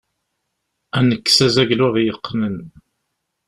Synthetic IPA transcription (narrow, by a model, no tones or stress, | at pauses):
ænəkːsæzæʝlʊʁjəqːnən